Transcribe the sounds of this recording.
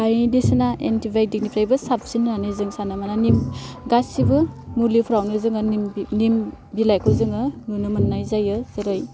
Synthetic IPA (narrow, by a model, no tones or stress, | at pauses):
bajdisɯnaʔentibʱaj̚dik̚nipʰɾajbɯsap̚sinnanɯjzɯŋsanamananim | ɡasibɯmulipʰuɾawnɯzɯŋɯnim | bilajkʰɯzɯŋɯnunɯmanːajzajɯz̥ɯɾɯj